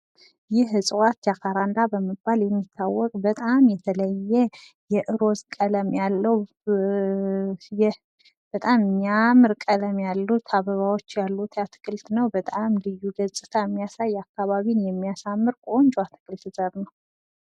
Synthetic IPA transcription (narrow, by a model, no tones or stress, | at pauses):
jɪɦɨsʼwat̪jakʰaɾand̪abəməbaljɛmːit̪ʰːawːɔkʼbət̪ʼamjɛt̪ʰələjːɛ | jɛʔɨɾo̞zkʼələmjalːəw | jɛ | b̥ət̪ʼamɨɲamɨɾkʼələmjalːut̪ʰaβəβawo̞t͡ʃːjalːut̪ʰat̪ʰɨ̥kʼɨlt̪nəwbət̪ʼamlɨjːuɡəzʼɨt̪ʰajɛmːijasajakːaβaβinjɛmːijasamːɨɾkʼond͡ʒuat̪ʰɨ̥kʰʼɨlt̪zʼəβnəw